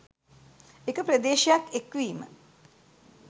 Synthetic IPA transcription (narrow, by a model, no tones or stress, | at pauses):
ekəpɾəd̪eːʃijakekʋiːmə̰